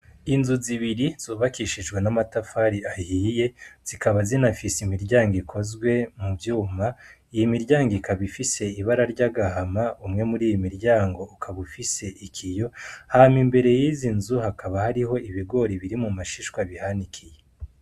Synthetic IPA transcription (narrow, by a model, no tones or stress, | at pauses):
inzuziβiɾiz̥oːβakiʃiʒɡwenamatafaɾiahiːje̞z̥ikaβazinafisimiɾɟaːŋɡikʰo̞zɡwe̞mubjuːma | ijimiɾɟaːŋɡikaβifise̞iβaɾaɾɟaɡahamaumŋe̞muɾiːjimiɾɟaːŋɡo̞ːkʰaβufise̞ʔikʰijo̞hamimbe̞ɾe̞jizinzuhakaβahaɾiho̞iβiɡo̞ɾiβiɾimumaʃiʃwaβihanikʰije